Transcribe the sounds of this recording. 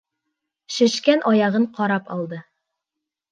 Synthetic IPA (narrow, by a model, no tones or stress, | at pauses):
ʃɘ̆ʃkænʔɒjɑʁɤɴqɒɾɑpɒlˠd̪ɤ